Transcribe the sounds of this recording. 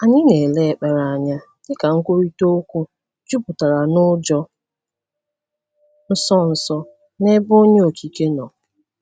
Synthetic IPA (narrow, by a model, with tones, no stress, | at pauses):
a˨ɲɪ˦ne˨le˦e˨k͡pa˨ɾa˨a˨ɲa˦ | dɪ˦ka˨ŋ̩˦kʷo˦ɾi˦to˦o˦kʷu˦ | d͡ʒu˦pʊ˨ta˨ɾa˨nʊ˦d͡ʒɔ˦ | n̩˦sɔ˦n̩˨sɔ˦ | ne˦bo˦ɲe˦o˨kʰi˨ke˦nɔ˨